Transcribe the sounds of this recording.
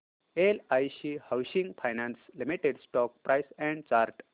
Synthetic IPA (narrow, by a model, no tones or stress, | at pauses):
elajsihawsĩŋɡpʰajnanslimiʈeɖsʈɔk̚pɾajsɛ̃ɳɖ̚t͡ɕaɾʈ